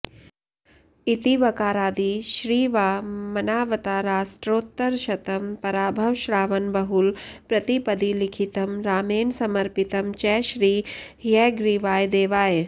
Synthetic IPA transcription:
it̪iʋɐkaːɾaːd̪iʃɾiːʋaːmɐnaːʋɐt̪aːɾaːʃʈɾoːt̪ːɐɾʃɐt̪ɐmpɐɾaːbʱɐʋʃɾaːʋɐnbɐɦulpɾɐt̪ipɐd̪ilikʰit̪ɐmɾaːmeːnsɐmɐɾpit̪ɐmt͡ʃɛːʃɾiː | jɛːɡɾiʋaːjd̪eːʋaːj

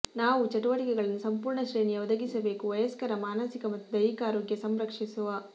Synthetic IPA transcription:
naːʋut͡ʃɐʈuʋɐʈikɛɡɐɭɐnːusɐmpuːɾɳɐʃɾe̞ːɳijɐɔd̪ɐɡisɐbe̞ːkuʋɐjɐskɐɾɐmaːnɐsikɐmɐt̪ːud̪ɐjikaːɾoːɡjɐsɐmɾɐkʂisuʋa

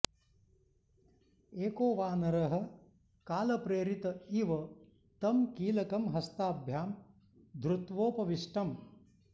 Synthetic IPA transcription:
eːkoːʋaːnɐɾɐɦɐ̆ | kaːlɐpɾeːɾit̪ɐiʋɐ | t̪ɐmkiːlɐkɐmɦɐst̪aːbʱjaːm | d̪ɾut̪ʋoːpɐʋiʂʈɐm

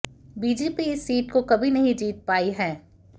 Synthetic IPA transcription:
biːd͡ʒeːpiɪsːiːʈkokɐbʱinɐɦĩd͡ʒiːt̪̚paːiɦɛ̃ː

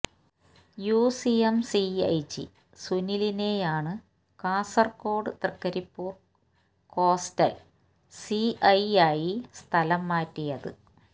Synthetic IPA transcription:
jusiɐmsiɐ̰jt͡ɕːḭ | suniline̞jaːɳɨ | kaːsɐrko̞ːɖɨt̪rɨkːɐɾipːuːr | ko̞ːstɐl | siɐjaːjist̪ʰɐlɐmːaːtːijɐðɨ̰

